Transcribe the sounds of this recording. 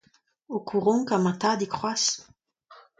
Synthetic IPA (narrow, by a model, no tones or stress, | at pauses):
okʰuʁɔ̃kamat̪ad̪ikχwas